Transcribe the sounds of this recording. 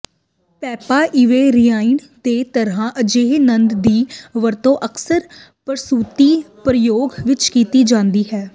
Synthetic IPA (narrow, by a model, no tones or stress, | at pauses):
pɛːpaːʔɪʋeːɾɪjaːin | d̪eːt̪əɾãːʔəd͡ʒeːɦnənd̪d̪iːʋəɾt̪õːʔəksəɾ | pəɾsuːt̪iːpɾəjoːɡʋɪt͡ʃkiːt̪iːd͡ʒãːnd̪iːɦɛː